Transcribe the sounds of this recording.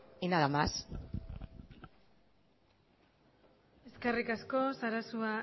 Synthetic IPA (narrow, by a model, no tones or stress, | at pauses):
inaðamas | e̞skarikasko̞saɾasua